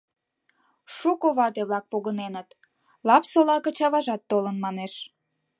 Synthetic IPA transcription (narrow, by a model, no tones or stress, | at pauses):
ʃukoβɑt̪eβlɑk̚poɣənenət̪ | lɑpsolɑkə̆t͡ɕɑβɑʒɑt̪ːolənmɑneʃ